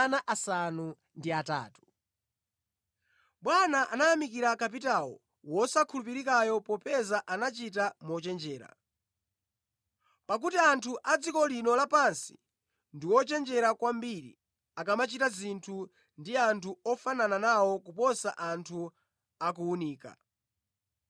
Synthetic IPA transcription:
naʔasanu | ndiata̰ːtu̥ | ɓwanaʔanajamik̬iɾakap̬itawɔ̰ | wɔsakʰulupiɾikajɔpɔpɛzaʔanat͡ʃitamɔt͡ʃɛnd͡ʒɛːɾa̰ | pak̬utiantʰuʔad͡zikɔlinɔlapansi̥̰ | ndiwɔt͡ʃɛnd͡ʒɛɾakwambiɾḭ | akamat͡ʃitazintʰu | ndiantʰuɔfanananawɔkupɔsaʔantʰu | ak̬uːniːka̰

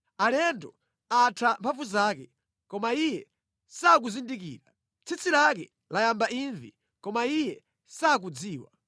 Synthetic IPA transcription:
alɛndɔ | atʰwampʰavuzaːkɛ | kɔmaijɛ | sak̬uzindik̬ḭːɾa | t͡sʰit͡sʰilak̬ɛ̰ | lajambainvḭ | kɔmaijɛ | sak̬ud͡ziːwa̰

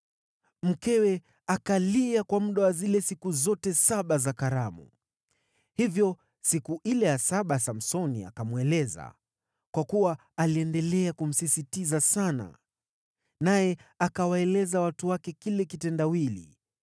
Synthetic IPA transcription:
m̩kɛwɛ | akaliakwamuɗawazilɛsikuzɔtɛsaɓazakaɾamṵ | hivjɔ | sikuʔilɛjasaɓasam̩sɔnia̰kamwɛlɛza̰ | kwakuwaː | liɛndɛlɛakum̩sisitizasana̰ | najɛakawaɛlɛzawatuwakɛkilɛkitɛndawilḭ

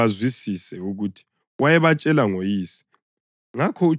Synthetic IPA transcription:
azwisisɛuɣutʰi̥ | wajɛβat͡ʃʼɛlaŋojiːsi̥ | ŋakʰɔu

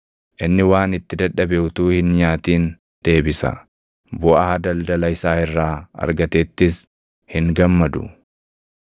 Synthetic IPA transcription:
ʔɪnːɪwaːnɪt̪ːɪd̪ɐᶑɐbeʊt̪uːhɪnɲaːt̪iːn | d̪̥e̞ːbɪsɐ̰ | bʊʔɐhɐd̪ɐld̪ɐlɐɪsaːɪrːaːɐ̰ɾɡɐt̪eːt̪ːɪs | hɪŋɡɐmːɐd̪ʊ̰

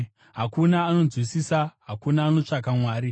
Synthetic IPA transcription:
ɦakunaːno̞nd͡zwisisaɦakunaːno̞t͡ʂak̬amwaːɾi

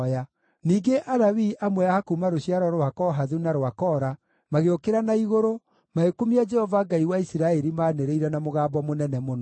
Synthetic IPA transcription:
ja | niːɡeʔaɾawiʔamwɛaːkumaɾoɕiaɾɔɾoakɔɦaðunaɾoakɔɾa | maɣeokeɾanaiɣoɾo | maekumiad͡ʒɛhɔvaɡaiwaisiɾaɛɾimaːneɾeiɾɛnamoɣaːbɔmonɛnɛmon

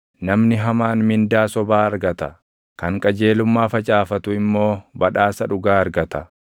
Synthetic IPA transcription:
nɐmnɪɦɐmaːnmɪnd̪aːsɔbaːɐɾɡɐt̪ɐ | kɐŋkʼɐd͡ʒe̞ːlʊmːaːfɐt͡ʃʼaːfɐt̪ʊɪmːo̞ːbɐᶑaːsɐᶑʊɡaːɐɾɡɐt̪ɐ

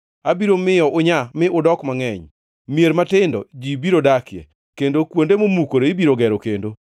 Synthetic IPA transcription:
abiɾomɪjɔʔʊɲamɪʔʊdɔkmaŋɛɲ | mjeɾmatɪndɔ̰d͡ʒibiɾodakjḛ | kendokwondemomukoɾoibiɾoɡɛɾokendo

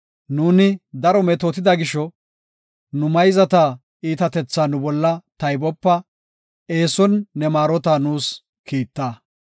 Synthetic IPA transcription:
nuːnɪd̪ɐɾɔmɛt̪ot̪ɪd̪ɐɡɪʃɔ | nʊmɐjzɐt̪aː | iːt̪ɐt̪ɛt͡sːaːnʊbɔlːɐt̪ɐjbɔpːɐ | e̞ːsɔnːɛmaːɾɔt̪aːnuːs | kiːt̪ːaː

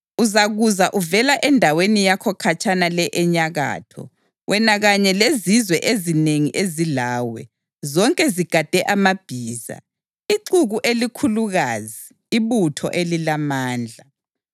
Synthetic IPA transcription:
uzaɣuzaʔuvɛlaʔɛndʱawenijakʰɔkʰat͡ʃʰʼanalɛʔɛɲaɣa̰ːtʰɔ̰ | wʔɛnaɣaɲɛlezizwɛʔezineŋiʔezilaːwɛ̰ | zɔŋkʼɛziɡ̥ʱad̥ʱɛʔamab̥ʱiːza̰ | iǀuɣuʔelikʰuluɣaziː | βutʰɔ̰ʔelilamaːnd͡ɮʱa

